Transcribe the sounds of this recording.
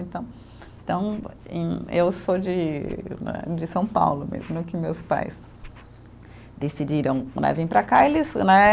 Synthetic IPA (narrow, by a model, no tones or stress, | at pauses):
ẽnt̪ɐ̃w̃ | t̪ɐ̃w̃ḛ̃j̃ewsod͡ʒɪnɛ̰d͡ʒɪsɐ̃w̃pa̰wlʊmḛzmnɛ̃kɪmewspa̰js | d̪esid͡ʒiɾɐ̃w̃nɛ̰vĩj̃pɾɐkaelɪznɛ